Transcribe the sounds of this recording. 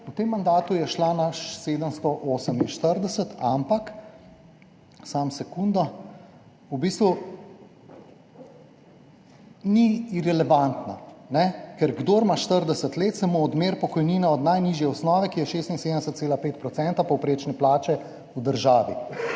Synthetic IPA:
ut̪emːand̪aːt̪ujɛʃlanaʃseːd̪əmst̪ɔʔoːsəminʃt̪əɾd̪ɛsət̪ʰampak | samsɛkuːnd̪ɔ | ubist̪ʋu | niɾɛlɛʋant̪na̰nɛkɛɾɡd̪oɾmaʃt̪əɾd̪ɛsət̪leːt̪samoːd̪meːɾpɔkɔjniːnɛɔd̪najniːʒjɛɔsnɔːʋɛkijɛʃeːst̪insed̪ənd̪ɛsət̪seːlapeːt̪̚pɾɔt̪sɛnt̪apɔwpɾeːt͡ʃnɛplaːt͡ʃɛ | ud̪əɾʒaːʋḭ

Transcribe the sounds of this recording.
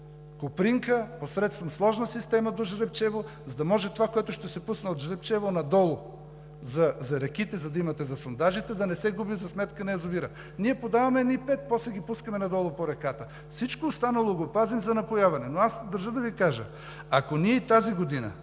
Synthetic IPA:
kopɾiŋkəposɾɛt̪st̪vɐmslˠɔʒnəsist̪ɛmɐd̪oʒɾɛp̚t͡ʃɛvo | zɐd̪ɐmɔʒɛt̪ovakoɛt̪ʊʃt̪ɛsɛpusnɐot̪ʒɾɛpt͡ʃɛvonɐd̪ɔlˠo | zɐzɐɾɛkit̪ɛzɐd̪ɐimɐt̪ɛzɐsond̪aʒit̪ɛd̪ɐnɛsɛɡubizɐsmɛt̪kənɛɛzoviɾə | niɛpod̪avɐmɛːd̪nipɛt̪̚pɔslɛɡʲipuskəmɛnɐd̪ɔlˠopoɾɛkat̪ə | fsit͡ʃkoːst̪anɐlˠoɡopazimzɐnɐpojavɐnɛnoasd̪ɐɾʒəd̪ɐvikaʒə̰ | ɐkoniɛit̪aziɡod̪inə̰

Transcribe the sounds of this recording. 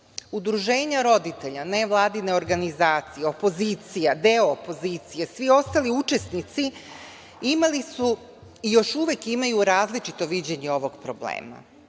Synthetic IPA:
ud̪ɾuʒe̞ːɲaɾo̞d̪it̪e̞ʎane̞ʋlˠaːd̪ine̞o̞ɾɡanizaːt̪sije̞o̞po̞ziːt̪sijad̪eo̞ːpo̞zit̪sijesʋio̞st̪aliut͡ʃe̞snit̪si | imalisu | ijo̞ʃuʋekimajuɾaːzlit͡ʃit̪o̞ʋid͡ʑe̞ɲeo̞ʋo̞ɡpɾo̞blḛːma̰

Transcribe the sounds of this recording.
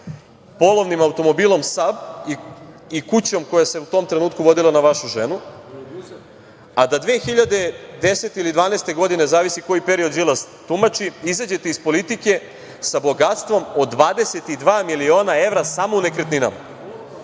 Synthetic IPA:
po̞lˠo̞ʋnimaut̪o̞mo̞biːlˠo̞msabi | ikut͡ɕo̞mko̞jaseut̪o̞ːmt̪ɾenuːt̪̚kuʋo̞d̪ilˠanaʋaʃuʒe̞nu | ad̪ad̪ʋeːxiʎad̪e̞d̪e̞set̪eilid̪ʋaːneːst̪e̞ɡo̞d̪ine̞zaːʋisiko̞jipe̞ɾio̞d̪vilˠas | t̪umat͡ʃiizad͡ʑe̞t̪eispolit̪ike̞ | sabo̞ɡat̪st̪ʋo̞mo̞ːʋaːd̪e̞se̞t̪id̪ʋaːmilio̞ːnae̞vɾasamounekɾet̪nina̰m

